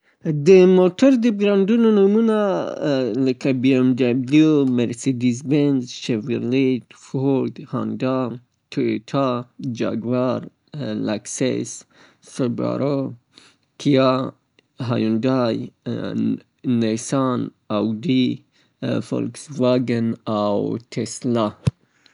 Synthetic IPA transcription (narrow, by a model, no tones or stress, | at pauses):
d̪əmot̪aɾd̪əɡɾandunonumuna | ləkabiamd̪ablumeɾsed̪izbenzʃevəɾlet̪foɾd̪hɑndɑ | t̪ʰuet̪ʰɑd͡ʒa̰ɡvaɾ | laksḛs | səba̰ɾo | kʰija | ɦajundaj | nesan | awd̪i | fo̰lksvaɡənawt̪ʰesla